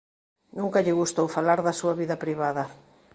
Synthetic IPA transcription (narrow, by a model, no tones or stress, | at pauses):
nũŋkɐʎɪɣust̪owfalaɾðɐsuɐβiðɐpɾiβaðɐ